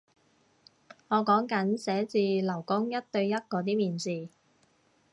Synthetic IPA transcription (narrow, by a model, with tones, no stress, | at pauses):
ŋɔː˨˧kɔː˨˥ŋkɐ˨˥nsɛː˨˥t͡siː˧lɐ˨˩wkʊ˥ŋjɐ˥t̚t̪ɵ˧ɥjɐ˥t̚kɔː˨˧t̪iː˥miː˨nsiː˨˧